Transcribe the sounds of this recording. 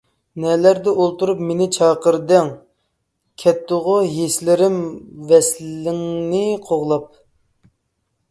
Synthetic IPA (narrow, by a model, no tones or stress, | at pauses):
nɛlæɾd̪ɛʔolˠt̪uɾupmenɪt͡ʃʰɑːqəɾd̪æŋ | kʲʰɛt̪ːʊʁʊɦeslɪɾɪmvɛslɪŋnɪqʰoʁlˠɑp̚